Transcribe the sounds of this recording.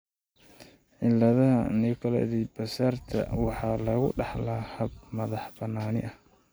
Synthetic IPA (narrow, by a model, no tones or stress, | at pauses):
ʕɪlːɐðɐɦɐ̰nɪkʰɐlɛ̰ðibɐsaːrt̪ʰɐ̰wɑħɑːlɐɣʊɖɑħlaːhɐbmɐðɑħbɐnːaːnɪ̰ʔɐh